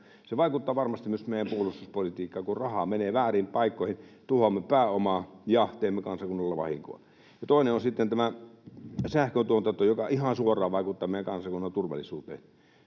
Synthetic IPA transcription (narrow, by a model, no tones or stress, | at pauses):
seʋɑˑikut̪ːɑːʋɑrmɑst̪immysmeˑijæmpuolust̪uspolit̪iːkːɑːkurɑhɑmeneːʋæːriːmpɑikːoˑihint̪uhomːepæːomɑːjɑht̪eːmːekɑnsɑkunːɑlːɑʋɑ̰hḭŋko̰ˑil | jɑt̪oˑineonsit̪ːent̪æmæ | sæhkønt̪uont̪ɑt̪ojokɑʔihɑnsuorˑɑːʋɑˑikut̪ːɑːmeijækɑnsɑkunːɑnt̪urʋɑ̰lːˑisuːt̪ḛːn